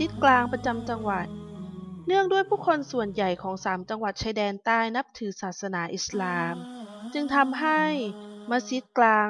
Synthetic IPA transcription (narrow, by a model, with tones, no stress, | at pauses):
si˨˦˥t̪̚klaː˧ŋpɾa˧t͡ɕa˧mt͡ɕa˧ŋwa˨˩t̪̚nɯ˥˩əŋdu˥˩əjpʰuː˥˩kʰo˧nsu˨˩ənja˨˩jkʰɔː˩˦ŋsaː˩˦mt͡ɕa˧ŋwa˨˩t̪̚t͡ɕʰaː˧jdɛː˧nt̪aː˥˩jna˦˥p̚t̪ʰɯː˩˦saː˨˩t̪̚sa˧naː˩˦ʔi˨˩slaː˧mt͡ɕɯ˧ŋt̪ʰa˧mɦa˥˩jmaː˧si˦˥t̪̚klaː˧ŋ